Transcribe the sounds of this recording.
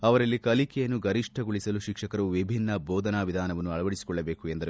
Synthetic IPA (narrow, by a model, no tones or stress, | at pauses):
ɐʋɐɾɐlːikɐlikɛjɐnːuɡɐɾiʂʈʰɐɡuɭisɐluʃikʂɐkɐɾɐuʋibʱinːɐbɔːd̪ɐnaːʋid̪ʱaːnɐʋɐnːuɐɭɐʋɐɽisi̥kɔɭːɐbe̞ːkue̞nd̪ɐɾ